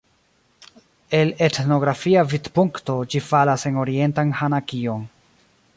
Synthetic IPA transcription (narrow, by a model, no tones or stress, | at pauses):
e̞le̞tno̞ɡɾafiavidpuŋkto̞d͡ʒifalase̞no̞ɾie̞ntanhanakio̞n